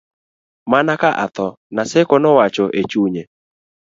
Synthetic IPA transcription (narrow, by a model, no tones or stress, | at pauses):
manakaʔa̰t̪ɔ | nasɛkɔnɔwat͡ʃɔʔet͡ʃuɲe